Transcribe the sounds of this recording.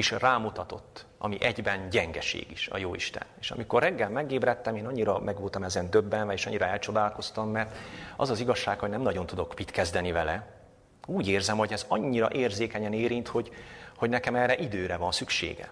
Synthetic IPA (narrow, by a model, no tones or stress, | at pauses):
eʃraːmut̪ɒt̪o̞t̪ːʔɒ̰miʔɛɟbɛnɟɛŋɡɛʃḛːɡiʃɒ̰joːḭʃt̪ɛ̰neːʃɒ̰miko̞rːɛɡːɛlmɛɡeːbɾɛt̪ːɛmeːnɒɲːiɾɒmɛɡʋolt̪ɒmɛzɛnd̪øbːɛnvɛeːʃɒ̰ɲːiɾɒɛlt͡ʃo̞d̪aːlko̞st̪ɒmːɛrt̪ɒ̰zɒziɡɒʃːaːkho̞ɟnɛmnɒɟo̞nt̪ud̪o̞kpit̪kɛzd̪ɛnivɛlɛ | uːɟeːrzɛmho̞ɟɛzɒɲːiɾɒʔeːrzeːkɛɲɛneːɾint̪ho̞ɟho̞ɟnɛkɛmɛːrːɛʔid̪øːɾɛvɒnsykʃḛːɡɛ̰